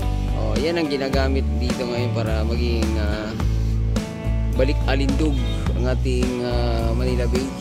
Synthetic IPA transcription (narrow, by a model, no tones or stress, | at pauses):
ʔo̰janɐŋɡɪnaːɡaːmɪt̪̚d̪iːt̪o̞ŋɐjo̞npaːɾɐmɐɡɪŋa | bɐlɪkʔɐlɪnd̪oɡ̚ɐ̰ŋʔaːt̪ɪŋamɐnɪlɐbɪŋ